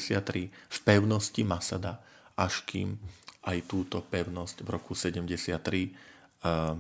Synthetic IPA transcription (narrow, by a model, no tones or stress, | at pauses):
sɪat̪ːɾifpɛʊnɔscimasad̪a | ʔaʃkiːmʔajt̪uːt̪ɔpɛʊnɔscvɾɔkusɛɟɛmɟɛsɪat̪ːɾi